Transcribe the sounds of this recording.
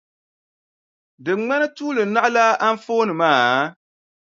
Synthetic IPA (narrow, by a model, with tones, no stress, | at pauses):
dɨ˨ŋŋ͡ma˦nɨ˦tuː˦lɨ˨n̩˦na˦ʔla˦ʔa˦ɱ˦foː˦nɨ˨maː˦˨